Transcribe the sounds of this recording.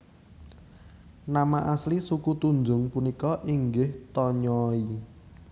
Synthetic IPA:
namaʔaslisukut̪uɲd͡ʒʊŋpunikɔʔiŋɡɪht̪ɔɲɔi

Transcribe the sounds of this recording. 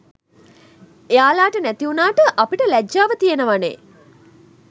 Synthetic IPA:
ejaːlaːʈənæt̪iunaːʈəʔapiʈəlæd͡ʒːaːʋət̪ijenəʋanḛː

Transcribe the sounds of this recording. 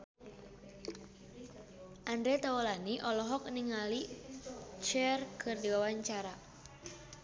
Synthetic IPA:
ʔandɾɛt̪awɔlaniʔɔlɔɦɔk̚niŋali | t͡ʃɛrkʰɨrdiwawaɲt͡ʃaɾa

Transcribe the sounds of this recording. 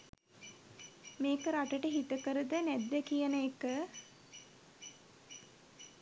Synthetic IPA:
meːkəɾaʈəʈəɦit̪əkəɾəd̪ənæd̪ːəkijənəekə

